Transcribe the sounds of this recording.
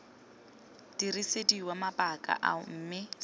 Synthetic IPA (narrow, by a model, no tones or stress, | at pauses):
d̥irisediwamapʼakʼa̰ʔa̰m̩ːmɪ